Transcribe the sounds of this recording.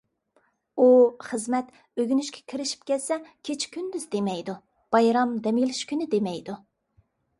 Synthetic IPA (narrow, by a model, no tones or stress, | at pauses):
uχəzmɛt̪ | øɡʲynyʃkʲʰɛ̥kʲʰiɾɪʃi̥p̚kʲɛt̪sɛkʲʰet͡ʃʰkʲʰynd̪yzd̪emɛjd̪u | b̥ɑjɾɑmd̪ɛmilɪʃkʲynɪd̪emɛjd̪u